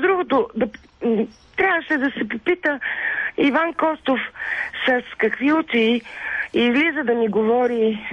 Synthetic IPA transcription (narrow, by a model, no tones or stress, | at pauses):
d̪ɾuɡot̪od̪ɐ | t̪ɾʲavvəʃɛd̪ɐsɛpopit̪əivankɔst̪ofsɐskɐkviut̪i | izlizəd̪ɐniɡovɔɾi